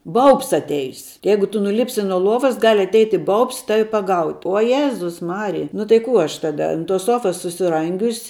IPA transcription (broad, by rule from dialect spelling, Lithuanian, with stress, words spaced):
ˈbɐʊps ɐtʲˈɛɪs ˈjɛɪɡʊ ˈtʊ nʊˈlʲɪpʲsʲɪ nuɔ ˈlˠuɔʋɐs ɡɐlʲ ɐtʲˈɛɪtʲɪ ˈbɐʊps ˈtɑːʋʲɪ pɐˈɡɐʊtʲ oː ˈjeːzʊs ˈmɑːrʲɪjɛ nʊ tɐɪ ˈkuː ˈɐʃ ˈtɑːdɐ ɐnt toːs ˈsuɔfɐs sʊsʲɪˈrɐŋʲɡʲʊsʲ